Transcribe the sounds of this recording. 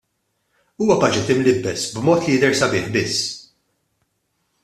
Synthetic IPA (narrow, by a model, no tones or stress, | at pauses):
uːwɐpɐːd͡ʒɪt̪ɪmlɪbːɛsbmɔːt̪lijɪd̪ɛɾsɐbɪːħbɪsː